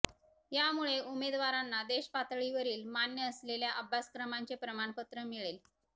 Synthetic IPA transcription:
jamuɭeʔumed̪ʋaɾanːad̪eɕpat̪ɭiʋəɾiːlmanjəːsleljaʔəbʱːaskɾəmant͡sepɾəmaɳpət̪ɾəmiɭel

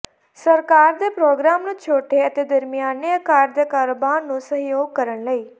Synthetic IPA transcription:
səɾkaːɾd̪eːpɾoːɡɾaːmnũːt͡ʃʰoːʈeːət̪eːd̪əɾmɪjaːneːəkaːɾd̪eːkaːɾoːbaːɾnũːsəɦjoːɡ̚kəɾəɳləiː

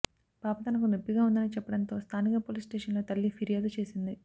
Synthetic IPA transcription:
paːpɐt̪ɐnɐkunepːiɡaːund̪ɐnit͡ʃɛpːɐɽɐnt̪o̞ːst̪ʰaːnikɐpoːlisʈeːʂɐnlo̞ːt̪ɐlːipʰiɾijaːd̪ut͡ʃe̞ːsind̪i

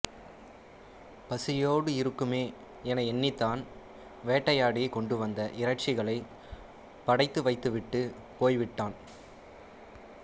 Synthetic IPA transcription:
pɐsɪjoːɽɯɪɾɯkːɯmeː | ɛnɐɪɛnːɪt̪ːaːn | ʋeːʈːɐjaːɽɪkɔɳɖɯʋɐnd̪ɐʔɪɾɐʈ̚t͡ʃɪɣɐɭɐɪ | pɐɽɐɪt̪ːɯʋɐɪt̪ːɯʋɪʈːɯ | poːjʋɪʈːaːn

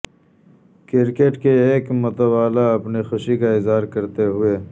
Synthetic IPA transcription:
kɪɾkeʈkeeːkmʊt̪awaːlaɐpnixʊʃikaɪzɦaːɾkɐɾt̪eɦʊeː

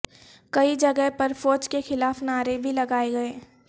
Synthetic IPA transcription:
kɐid͡ʒɐɡəɦpɐɾfoːt͡ʃkexɪlaːfnaːɾebʱilɐɡaːeɡɐeː

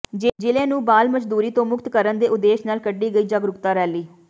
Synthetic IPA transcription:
d͡ʒed͡ʒɪlẽːnũːbaːlməd͡ʒd̪uːɾiːt̪õːmʊkt̪kəɾənd̪eːʔʊd̪eːʃnaːlkəɖːiːɡəiːd͡ʒaːɡɾʊkt̪aːɾɛːliː

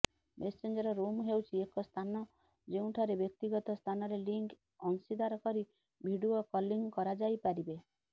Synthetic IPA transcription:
mesend͡ʒɔɾɔɾomɦewt͡ʃʰiekɔst̪ʰanɔ | d͡ʒeũʈʰɔɾebjɔk̚t̪iɡɔt̪ɔst̪ʰanɔɾeliŋk | ɔnsid̪aɾɔkɔɾi | bʱiɽuɔkɔliŋkɔɾad͡ʒajpaɾibe

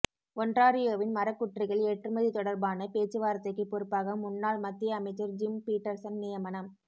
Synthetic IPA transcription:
ɔndraːɾɪjoːʋɪnmɐɾɐkːʊʈrɪɣɐɭeːʈrɯmɐðit̪ɔɽɐɾbaːnɐpeːt͡ʃːɯʋaːɾɐt̪ːɐɪkːɯpːɔɾɯpːaːɣɐmʊnːaːɭmɐt̪ːɪjɐːmɐɪt͡ʃːɯɾd͡ʒɪmpiːʈːɐɾsɐnnɪjɐmɐnɐm

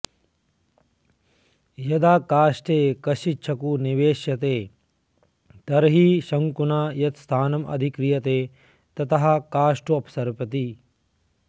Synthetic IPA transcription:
jɐd̪aːkaːʂʈeːkɐʃit͡ʃʰɐkuniʋeːʃjɐt̪eː | t̪ɐɾɦiʃɐŋkunaːjɐt̪st̪ʰaːnɐmɐ̰d̪ʱikɾijɐt̪eː | t̪ɐt̪ɐɦɐ̆kaːʂʈuɐpsɐɾpɐt̪i

